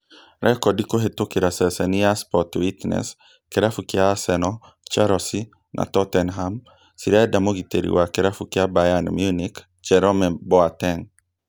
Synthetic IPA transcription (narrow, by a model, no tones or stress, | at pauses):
ɾʔɛkɔdikoɦet̪okiɾasɛsɛniaspɔtwit̪nɛ̰s | keɾafukɪaːsɛnɔ | t͡ʃaɾɔsi | nʔa̰t̪ɔt̪ɛnɦam | siɾaɛdamoɡit̪ḛɾḭwakeɾafukɪabajanmjunik | t͡ʃɛɾɔmɛbɔat̪ɛŋ